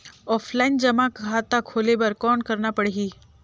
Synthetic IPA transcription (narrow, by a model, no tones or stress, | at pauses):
ɔːfʰlaɪnd͡ʒəmãkat̪akʰoːlebəɾkɔːɳkəɾnapəɽɦiː